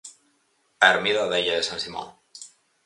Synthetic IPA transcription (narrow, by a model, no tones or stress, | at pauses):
aeɾmiðaðejaðesansimo̰n